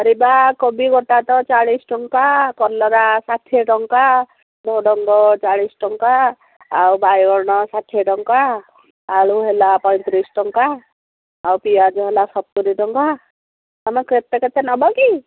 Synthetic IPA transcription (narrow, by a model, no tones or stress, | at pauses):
ɔɾibakɔbiɡɔʈat̪ɔt͡ʃaɭisʈɔŋkakɔɾlɔɾasaʈʰieʈɔŋka | d̪ɔɖɔŋɡɔt͡ʃaɭisʈɔŋkaː | wbajɡɔɽɽ̃ɔsaʈʰːeʈɔŋkaː | ɭuɦelapɔj̃t̪ɾisʈɔŋkaː | wpijad͡ʒɔɦelasɔb̚t̪uɾiʈɔŋka | amakɾet̪ːekat̪anɔbɔki